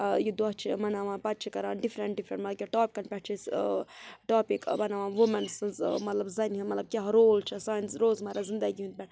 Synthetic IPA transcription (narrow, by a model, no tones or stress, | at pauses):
jid̪ɔɦt͡ʃʰimɐnaʋãːnpɐt̪̚t͡ʃʰikɐɾaːnɖifɾeɳʈ̚ɖifɾḛɳʈmɐt̪lɐbkʲeʈoːpʲikɐnpʲɛʈ̚t͡ʃʰis | ʈaːpikmɐnaʋãːnʋumɐnsɨnzmɐt̪lɐbzɐnʲɦimɐt̪lɐb̚kʲaɦɾoːlt͡ʃʰisaːjnsɾoːzmɐɾazind̪ɐɡiɦund̪̚bʲɛɳ